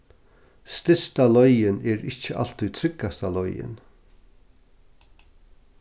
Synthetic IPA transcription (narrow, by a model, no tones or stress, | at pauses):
st̪ɪst̪alɔʏɪnɛːɾɪt͡ʃəʔa̰l̥t̪ujt̪ʰɾɪkːast̪alɔʏɪ̰n